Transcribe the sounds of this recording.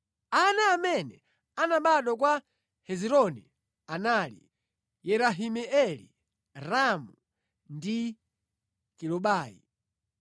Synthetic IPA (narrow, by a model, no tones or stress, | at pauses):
anaːmɛnɛ | anaɓaɗɔk̬wa | hɛziɾɔnɛ̰ | anaːlḭ | jɛɾaɦimɛɛlḭ | ɾamu | ndi | kilɔɓaːjḭ